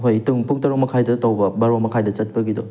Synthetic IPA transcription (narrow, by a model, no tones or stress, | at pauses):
ɦojtuŋpuk̚tɐɾamɐkʰajdɐtawbɐbɐɾɐmɐkʰajdɐt͡ʃɐt̚pɐɡidɔ